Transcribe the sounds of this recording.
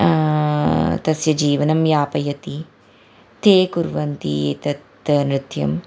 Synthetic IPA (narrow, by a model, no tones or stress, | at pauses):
t̪ɐsjɐd͡ʒiːʋɐnɐmjaːpɐjɐt̪i | t̪ʰeːkuɾʋɐnt̪ḭt̪ɐt̪ɐnɾɪt̪jɐ̰m